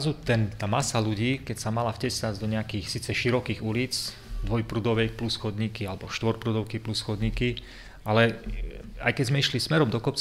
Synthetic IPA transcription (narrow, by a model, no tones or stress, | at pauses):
zut̪ɛnt̪aːmasaluɟiːkɛcsamalafcɛsad͡zd̪ɔɲɛakiːxsiːt͡sɛʃiɾɔkiːɣulit͡s | d̪ʋɔjpɾuːd̪ɔʊʋɛjplusxɔd̪ɲikialɛbɔʃt̪ʋɔɾpɾuːd̪ɔʊkɛjplusxɔd̪ɲiːki | ʔalɛ | a̰jkɛzmɛiʃlismɛɾɔmd̪ɔkɔp̚t͡s